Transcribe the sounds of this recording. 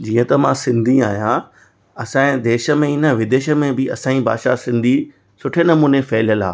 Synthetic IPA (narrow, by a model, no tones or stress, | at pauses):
d͡ʑiːə̃t̪ɐmãsɪ̃nd̪ʱĩa̰ːɦijã | ɐsãːẽd̪eːʃə̆mẽɪnəʋɪd̪eːʃə̆mẽbɪɐsãːiba̰ːʃasɪ̃nd̪ʱi | sʊʈʰenɐmuːnefɛːljəla̰ː